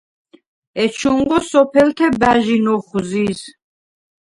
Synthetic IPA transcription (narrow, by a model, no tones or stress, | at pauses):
ɛt͡ʃʰuŋɡɔsɔpʰɛlt̪ʰɛbæʒinɔχzis